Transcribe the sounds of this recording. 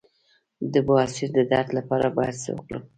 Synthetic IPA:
d̪əbʊasiɾd̪əd̪ɑɾt̪lapɑɾabɑjad̪sə̰wə̰kɽṵ

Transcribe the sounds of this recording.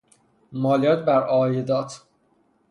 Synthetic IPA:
mɒːlijɒːt̪̚bæɾɒːjed̪ɒːt̪ʰ

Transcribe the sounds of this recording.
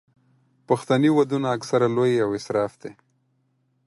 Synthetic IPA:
paxt̪aniwad̪unaːksaɾalojawɪsɾɑfd̪̥e

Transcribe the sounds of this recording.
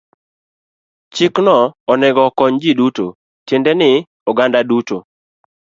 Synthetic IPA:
t͡ʃɪknɔɔnɛɡɔkɔɲd͡ʒiduto̰ | tendɛnɪ | ɔɡandaduto

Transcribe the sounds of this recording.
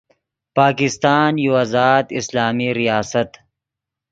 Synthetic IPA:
paːkɪst̪aːnjuwazaːd̪ɪslaːmiɾijaːsɐt̪

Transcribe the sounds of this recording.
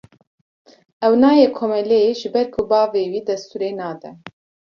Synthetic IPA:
ɛwnɑːjekʰomɛleʒɨbɛɾkʰubɑːveːwiːd̪ɛst̪uːɾeːnɑːd̪ɛ

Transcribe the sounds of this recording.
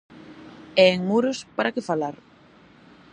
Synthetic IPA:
ɛeŋmuɾʊspaɾakɪfalaɾ

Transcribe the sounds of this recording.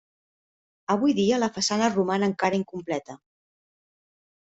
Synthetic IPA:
əβ̞ujðiələfəsanərumanəːŋkaɾəiŋkumplɛt̪ə

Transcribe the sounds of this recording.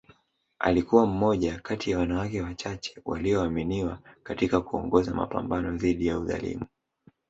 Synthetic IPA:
ʔa̰likuwam̩mɔʄakatijawanawakɛwat͡ʃat͡ʃɛ̥wa̰liɔaminiwakatikakuɔ̰ŋɡɔzama̰pa̰mbanɔðiɗijauða̰lḭmu

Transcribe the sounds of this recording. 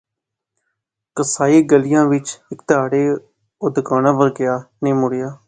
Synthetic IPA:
kəsaːiːɡəlɪjãːʋɪt͡ʃɪkt̪aːɽeː | ʊd̪əkaːnãːpəɾɡɪjaːneːmʊɽɪjaː

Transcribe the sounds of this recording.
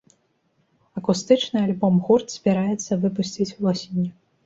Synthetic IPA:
ɐkust̪ɨt͡ʂnɨalʲbɔmɣurt̪sʲbʲiɾajɛt̪sːɐvɨp̬usʲt͡sʲit͡sʲulˠɔsʲinʲːu

